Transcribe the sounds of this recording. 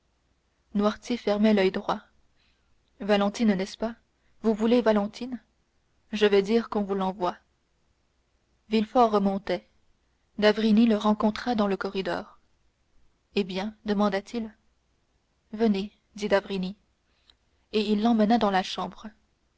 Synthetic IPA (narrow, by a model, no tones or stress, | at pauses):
nwaʁt̪ʲjefɛʁmɛlœjd̪ʁwa | valɑ̃t̪innɛspa | vuvulevalɑ̃t̪ʰin | ʒəvɛd̪iːʁkɔ̃vulɑ̃vwa | vilfɔʁːəmɔ̃t̪ɛ | d̪avʁiniləʁɑ̃kɔ̃t̪χad̪ɑ̃ləkɔʁid̪ɔ̰ːʁ | ebjɛ̃d̪əmɑ̃d̪at̪il | vəne | d̪id̪avʁini | eilːɑ̃mənad̪ɑ̃laʃɑ̃bʁə